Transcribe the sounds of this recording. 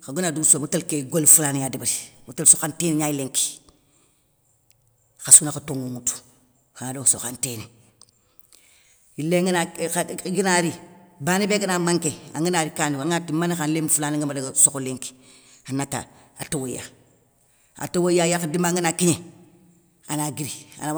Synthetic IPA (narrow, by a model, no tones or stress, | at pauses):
kaɡunaduɡsomutalkeɡolfulanijadibiɾimutalsoxanteniɲajileŋki̥ | kasunakatoŋuŋutu̥ | kaŋadoso̰xanteni | ileŋnaɡinaɾibanibeːkanamaŋkea̰ŋɡinaːɾikaːniaŋatimanixanlemfulaːniŋɡamadaɡasokoleŋki̥ | anata̰ | a̰towoja̰ | a̰towojajakadimaŋɡinakiɲe | anaɡiɾia̰na